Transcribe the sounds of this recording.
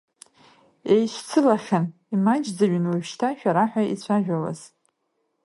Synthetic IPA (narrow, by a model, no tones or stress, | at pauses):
ejʃʷʰt͡sʰɨlaχʲan | imad͡ʒd͡zaɥnwaʒʃtʰaʃᶣaɾaħʷᶣait͡ɕʷʰaʒᶣawa̰z̥